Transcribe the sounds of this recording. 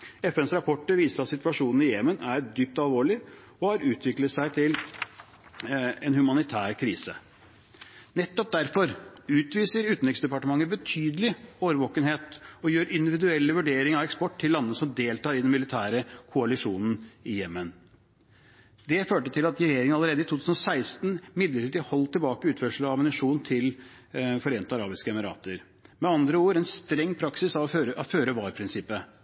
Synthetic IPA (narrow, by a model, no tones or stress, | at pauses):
ɛfɛnsɾɑpʰɔʈːəɾʋiːst̪ɑsɪt̪ʋɑʂuːnn̩ɪjɛmənʔæɾd̪yːp̚t̪ɑlˠʋoːɭɪ | ɔhɑɾʉːt̪ʰʋɪklət̪sæɪt̪ʰɪl | ɛnhʉmɑnɪt̪ʰæːɾkʰɾiːsə | nɛt̪ːɔp̚d̪æɾfɔɾʉːt̪ʋiːsəɾʉːt̪n̩ɪŋsd̪ɛpɑʈəmɑŋːəbət̪ʰyːd̪əlɪoːʋəɾʋɔːkənheːt̪ɔjøːɾɪnd̪ɪʋɪd̪ʉɛlːəʋʉɖeːɾɪŋɑʋɛkspɔʈːt̪ʰɪlːɑnːəsɔmd̪eːlt̪ʰɑːɾɪd̪ɛnmɪlɪt̪ʰæːɾəkʰʊɑlɪʂuːnn̩ɪjɛmːən | d̪ɛføːʈət̪ʰɪlɑt̪ɾɛjeːɾɪŋəɑləɾeːd̪əɪt̪ʰuːt̪ʉːsnɔsæɪst̪nmɪd̪ləʈiːd̪ɪhɔlːt̪ʰɪlbɑːkəʉːt̪fœʂl̩ɑmənɪʂuːnt̪ʰɪl | fɔɾeːnt̪əɑɾɑːbɪskəɛmɪɾɑ̰ːt̪əɾ | mɛɑnd̪ɾəoːɾɛnst̪ɾɛŋːpʰɾɑksɪsɑʋɔøɾəʔɑføːɾəʋɑːɾpʰɾɪnsɪpːə